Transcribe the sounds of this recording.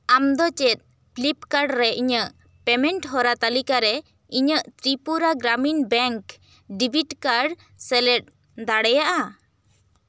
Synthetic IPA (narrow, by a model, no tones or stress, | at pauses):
amd̪ɔt͡ʃɛt̪̚ˀ | plipkaɾɖɾɛʔiɲəʔ | pɛmɛɳʈɦɔɾat̪alikaɾɛ | iɲəʔt̪ɾipuɾaɡɾaminbɛŋk | ɖibʱiʈkaɾɖ | sɛlɛʈ̚ | d̪aɽɛjaʔa